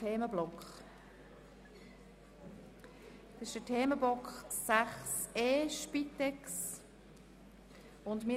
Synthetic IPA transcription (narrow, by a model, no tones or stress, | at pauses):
eːməblɔkχ | d̥ɪʃd̥ətʰeːməblɔkχsæχseːʃpitɛks | ʊndmi